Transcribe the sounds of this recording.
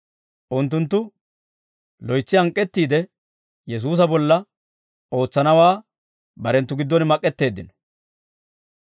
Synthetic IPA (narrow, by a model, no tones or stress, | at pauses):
ʔʊnt̪ːʊnt̪̬ːʊ | lɔjt͡sːɪɐŋkʼːɛt̪ːiːd̪ɛ | jɛs̬uːs̬ɐbɔlːɐ | o̞ːt͡sːɐnɐwaː | bɐɾɛnt̪ːʊɡɪd̪ːɔnmɐkʼːɛt̪ːe̞ːd̪ːɪnɔ̥